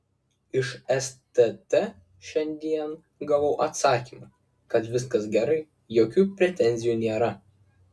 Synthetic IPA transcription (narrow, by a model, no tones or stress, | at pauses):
ɪʃɛst̪ɛt̪ɛ | ʃʲɛnʲd̪ʲiɛn | ɡɐʋɐʊʔɐt̪sɑːkʲiːmɐ | kɐt̪ʋʲɪskɐsɡʲɛɾɐɪ | joːkʲuːpʲɾʲɛt̪ʲɛnʲzʲɪjuːnʲeːɾɐ